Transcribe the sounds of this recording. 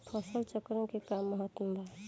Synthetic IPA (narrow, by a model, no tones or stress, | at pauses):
pʰɔsəlt͡ʃəkɾəmkekamːəɦət̪məmbʱa